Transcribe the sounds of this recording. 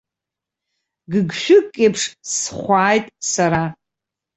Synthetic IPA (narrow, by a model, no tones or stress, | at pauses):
ɡɨɡʃᶣʊkʼːejpʰʂsχʷaːjtʼsaɾa